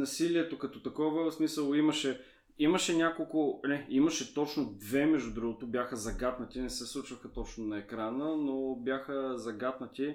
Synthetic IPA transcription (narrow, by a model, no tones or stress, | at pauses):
nɐsiliɛt̪okɐt̪ɔt̪ɐkɔvəsmisəlˠimɐʃɛ | iməʃɛnʲakolˠkʊnɛimɐʃɛt̪ɔt͡ʃnod̪vɛmɛʒd̪ʊd̪ɾuɡot̪obʲjaxəzɐɡat̪nət̪ʲinɛsɛslˠut͡ʃvəxət̪ɔt͡ʃnonɐɛkɾanənobʲjaxəzɐɡat̪nət̪ʲi